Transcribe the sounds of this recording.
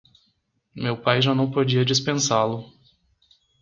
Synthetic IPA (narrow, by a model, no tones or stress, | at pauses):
mewpajʒanɐ̃w̃pod͡ʒiɐd͡ʒispẽsalʊ